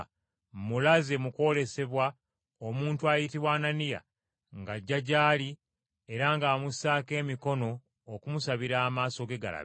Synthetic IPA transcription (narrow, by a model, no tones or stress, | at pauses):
mulaze̞muko̞le̞se̞βwa | omuːntuajitiβwaːnanija̰ | ŋɡaɟːaɟaːli | e̞ɾaŋɡaːmusaːke̞ːmiko̞no̞ː | kumusaβiɾaːmaːso̞ɡe̞ɡa̰la̰β